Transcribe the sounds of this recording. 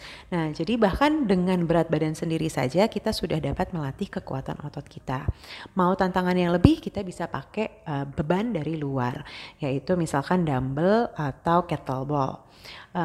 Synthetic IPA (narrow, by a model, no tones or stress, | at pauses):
nahd͡ʒadibahkandəŋanbəɾat̪̚badansəndiɾisa̰d͡ʒakit̪asudahdapat̪̚məlat̪ɪhkəkṵa̰t̪a̰nɔ̰t̪ɔt̪̚kit̪amaut̪ant̪aŋanjaŋləbɪhkit̪abisapakɛəbəbandaɾilua̰rjait̪umisalkandambəlat̪awkɛt̪əlbɔ̰l | ə